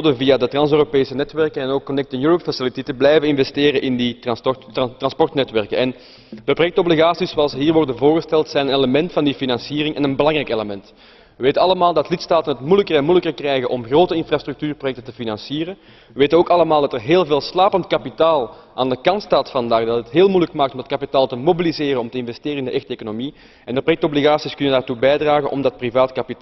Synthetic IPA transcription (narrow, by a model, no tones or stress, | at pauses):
odəvijadətrɑnsøːropeːsənɛtʋɛrkənɛnoːkːɔnɛk̚tɪŋjuːɾɔpfasɪlititəblɛjvənɪnvɛsteːɾəʔɪndi | trɑnspɔrtnɛtʋɛrkənɛn | d̥əprojɛk̚tɔbliɣaːsisoɑlˠsəɦiːrʋɔrdənvoːrɣəstɛlˠtsɛjnəneləmɛntfɑndifinɑnsiːɾɪŋʔɛnənbəlɑŋrɛjkeləmɛnt | ʋəʋeːtənɑləmaːlˠdɑtlɪtstaːtənɦətmujləkərɛnmujləkərkrɛjɣəʔɔmɣroːtəɪnfraːst̪rʏk̚tyːrprojɛk̚təntəfinɑnsiːɾə | ʋəʋeːtənoːkɑləmaːlˠdɑtərɦeːlˠveːlˠslaːpəntkɑpitaːlˠʔaːndəkɑntstaːtfɑndaːɣdɑtətɦeːlˠmujləkmaːk̚tɔmdɑtkɑpitaːlˠtəmobilizeːrənɔmtəɪnvɛsteːɾənɪndəʔɛxtəeːkonomi | ɛnərpojɛk̚tobliɣaːsiskʏnəndaːrtubɛjdraːɣənʔɔmdɑt̚privaːtkɑpitː